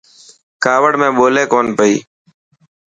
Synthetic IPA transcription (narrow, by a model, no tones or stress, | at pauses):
kaːʋəɽmẽːɓoːleːkoːnpəḭː